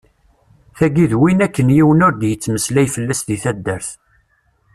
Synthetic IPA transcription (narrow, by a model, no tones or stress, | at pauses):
θæɡiðwinækːənjiwənʊɾd̪jət͡sːməslæjfəlːæsðiθæd̪ːəɾθ